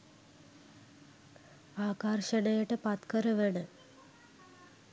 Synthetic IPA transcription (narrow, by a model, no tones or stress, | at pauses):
aːkɐrʂɐnɐjɐʈːɨpɐt̪kɐɾɐʋɐɳɨ